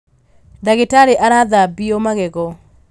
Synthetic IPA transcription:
daɣɪtaɾeʔaɾaðabiomaɣɛɣɔ

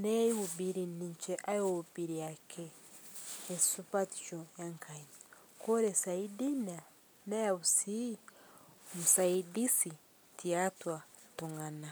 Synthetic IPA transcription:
neiubiɾiniɲt͡ʃeʔajoubiɾiakʰeː | supati̥t͡ʃojaŋkʰaɲi | koɾesaidina | najaβusi | musaidisi | tiatwatoŋana

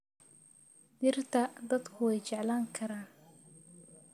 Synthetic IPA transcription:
d̪ɪrt̪ʰɐd̪ɐd̪kʰʊwɛjt͡ʃɛʕlaːŋkʰɐɾaːn

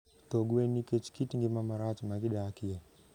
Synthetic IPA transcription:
toɡuweniket͡ʃi̥kitiŋɡimamaɾat͡ʃimakiɗakija

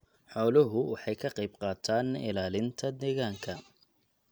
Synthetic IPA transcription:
ħɔːlɐɦʊwɑħɑjkʰɐqɑjbqɑːt̪ʰaːnɪ̰laːlɪnt̪ʰɐd̪ɛːɣaːŋkʰɐ

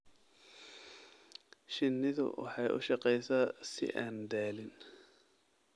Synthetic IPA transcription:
ʃɪnːɪðʊ̰wɑ̰ħɑjʔʊ̰ʃɑqɛjsaːsɪ̰ʔa̰ːnd̪aːlɪn

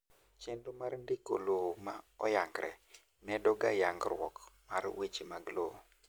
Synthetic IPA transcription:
t͡ʃɛndomarndiko̰lomaɔ̰jaŋɡɾɛ̰ | nɛdɔɡajaŋɡɾwɔ̰kmarwet͡ʃemaɡlo

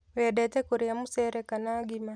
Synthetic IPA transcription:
wedɛtɛkoɾiamuseɾekanaɡima

